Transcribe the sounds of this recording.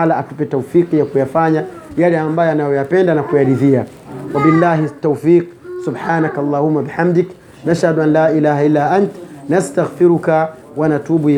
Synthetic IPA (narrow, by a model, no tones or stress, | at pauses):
alaʔatupɛtaufiːqjakujafaɲa | jalɛambajɔanajɔjapɛndanakujaɾiðia | wabilːaːɦitːawfiːq | subħaːnakalˤːaːhumːabiħamd̪ik | naʃhaduanlaːʔilaːhaʔilːaːʔantnastaɣfiɾuka | wanatubu